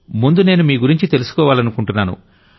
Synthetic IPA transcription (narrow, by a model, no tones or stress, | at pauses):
mund̪une̞ːnumiːɡuɾiɲt͡ʃit̪e̞lusu̥kɔːʋaːlɐnukuɳʈunːaːnṵ